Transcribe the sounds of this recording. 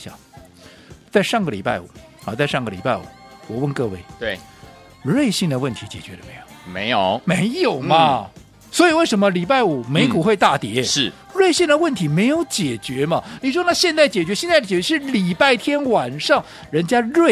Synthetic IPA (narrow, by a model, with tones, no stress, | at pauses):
ɕjɑ̰˨˩˦ŋ | t͡sa˥˧ɪʂɑ˥˩ŋɡə˩lḭ˨˩pa̰˥˩ɪw̰xɑ˥˧˩t͡sa˥˧ɪʂɑ˥˩ŋɡə˩li˨˩pa˥˩ɪwṵ˨˩wɔ˨˩wə˥˧nkɤ˥˧we˥˩ɪt̪e˥˩ | ɻwe˥˧ɪɕi˥˩ŋd̪ə˩wə˥˩nt̪ʰi˧˥t͡ɕjɛ˨˩t͡ɕɥɛ˧˥d̪ə˧me˧˥ɪjo˨˩ʊme˧˥ɪjo˨˩˦ʊme˧˥ɪjo˨˩ʊmɐ˦ | swɔ˧˥i˨˩we˥˩ɪʂə˧˥nmə˧li˨˩pa˥˩ɪu˨˩me˧˥ɪku˨˩xwe˥˧ɪt̪a˥˩t̪jɛ˧˥ʂ̩˥˩ | ɻwe˥˧ɪɕi˥˩ŋd̪ə˩wə˥˩nt̪ʰi˧˥me˧˥ɪjo˧˥ʊt͡ɕjɛ˨˩t͡ɕɥɛ˧˥mɐ˧ni˨˩ʂwɔ˥d̪ə˧na˥˩ɕjɛ˥˧nt͡sa˥˩ɪt͡ɕjɛ˨˩t͡ɕɥɛ˧˥ɕjɛ˥˧nt͡s̪a˥˩ɪt͡ɕɛ˨˩t͡ɕɥɛ˧˥ʂɻ̩˥˩li˨˩pa˥˩ɪt̪ʰjɛ˥nwa˨˩nʂɑ˥˩ŋ | ɻə˧˥nt͡ɕja˥ɻwe˥˩